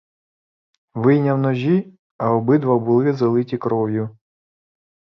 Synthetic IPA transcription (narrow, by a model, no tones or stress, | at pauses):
ʋɪjnʲɐwnɔʒʲi | ɐɔbɪd̪ʋɐwbʊlˠɪzɔlˠɪtʲikɾɔwjʊ